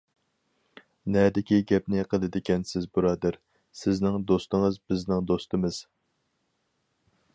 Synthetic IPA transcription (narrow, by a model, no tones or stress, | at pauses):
nɛd̪ɪkʲiɡʲɛp̚nɪqʰəlˠɨd̪ɪkʲɛnsɪzbuɾɑːd̪æɾ | sɪznɪŋd̪ost̪ɨŋəzbɪznɪŋd̪ost̪ɨmɨz̥